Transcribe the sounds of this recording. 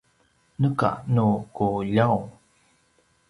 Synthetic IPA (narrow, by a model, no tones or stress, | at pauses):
nəka̰nukuʎaw